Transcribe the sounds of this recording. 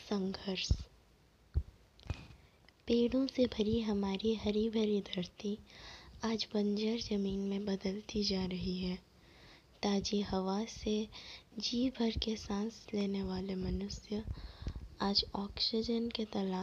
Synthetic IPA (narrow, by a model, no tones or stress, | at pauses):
sɐ̃ŋɡʱəɾs | peːɽõsebʱɐɾiɦɐmaːɾiɦɐɾibʱɐɾid̪ʱɐɾt̪i | aːd͡ʒbɐ̃ɲd͡ʒəɾzɐmiːnmẽbɐd̪əlt̪id͡ʒaːɾɐɦiɦɛː | t̪aːd͡ʒiɦɐʋased͡ʒiːbʱɐɾkesãːsleːneʋaːlemɐnʊsjə | aːd͡ʒɔːksɪd͡ʒənket̪ɐlaː